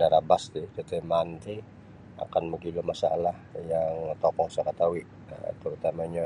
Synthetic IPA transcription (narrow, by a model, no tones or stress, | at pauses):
daɾabast̪it̪et̪emant̪i | a̰kanməɡilumasaa̰lahjaŋt̪ɔkɔhsaɾat̪awiʔ | t̪əɾut̪amaɲa